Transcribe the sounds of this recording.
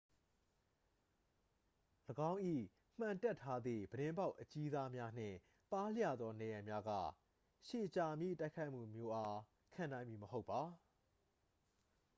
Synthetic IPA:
ləɡã˦ʊ̃ʔḭ˦˨ | m̥ã˨ntɛ˦˨tʰːa˦d̪ðḭ˦˨bəɾɪ̃˦mba˦ʊʔət͡ɕi˦za˦mja˦n̥ɪ̰̃˦˨ | pa˦l̥ja̰˦˨d̪ðɔ˦nɛ˨jã˨mja˦ɡa̰˦˨ | ʃe˨t͡ɕa˨mjḭ˦˨ta˦ɪkʰa˦ɪʔm̥ṵ˦˨mjo˦ʔa˦ | kʰã˨nã˦ɪ̃mji˨məɦo˦ʊpːa˨

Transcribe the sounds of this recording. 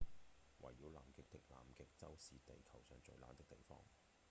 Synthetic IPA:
wɐ̰˨˩jːiː˨˧wlaː˨mkɪ˨˧k̚t̪ɪ˥k̚la̰ː˨mkɪ˨k̚t͡sɐ˥wsiː˨t̪e˨jkʰɐ˨˩wsœː˨ŋt͡sɵ˨ɥla̰ː˨˧nt̪ɪ˥k̚t̪e˨jfɔ̰ː˥ŋ

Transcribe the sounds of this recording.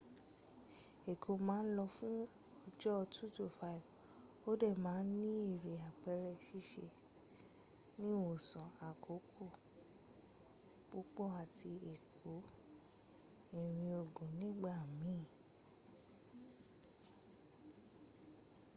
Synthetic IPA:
e˨kʰo˨˦mãː˦n̩˦lɔ˧fũ˦ | ɔ˧d͡ʒɔ˦˧tʰu˦to˨fa˦i˨v | o˦dɛ˦˨mãː˨˦n̩˦nĩ˦i˦˨ɾe˨a˨k͡pɛ˧ɾɛ˧ʃi˦˧ʃe˧ | nĩ˦wo˨sɔ̃˨a˨kʰo˨˦kʰo˦˨ | b̥u˦k͡pɔ˦˨a˨tʰi˧e˨kʰo˨˦ | i˦˨ɾ̃ĩ˧o˨ɡũ˨nĩ˦ɡ͡ba˦˨mĩ˨˦˨

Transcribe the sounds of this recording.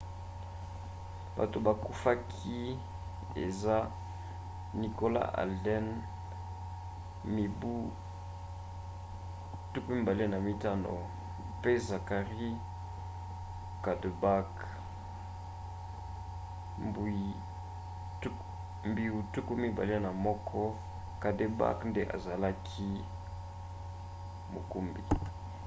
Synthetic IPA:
b̥a̰˨to˨ba˨ku˦fa˦kʰi˦ | ḛ˨za˦ | ni˨ko˦la̰˦ʔa̰˨ldɛ˦n | mi˨bu˦ | tu˦ku˦mi˦ba˨le˦na˨mi˦ta˦no̰˨ | pe˦za˨ka˨ʁi˦ | ka˨de˨ba˦k | mbu˨i˨ | t | mbi˨u˨tu˦ku˦mi˦ba̰˨li˦a˦na˨mɔ˦kʰɔ˦ | ka˨de˨ba̰˦knde˦ʔa̰˨za˨la˦kʰi˦ | mo˨ku˦mbḭ˨

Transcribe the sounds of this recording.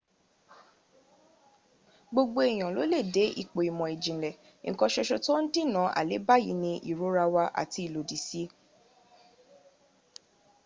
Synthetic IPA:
ɡ͡bo˧ɡ͡bo˧e˨j̃ɔ̃˨lo˨˦le˦˨de˨˦i˦˨k͡po˨i˨mɔ̃˨e˨d͡ʒĩ˨lɛ˨ | ŋ̩˨kɔ̃˧ʃɛ˧ʃɔ˧to˦n̩˦di˦˨nã˨˦ʔa̰˨le˨˦ba˦˨ji˨˦nĩ˧ʔḭ˨ɾo˨˦ɾa˧wa˧ʔa̰˨ti˧˦i˨lo˨di˨si˦

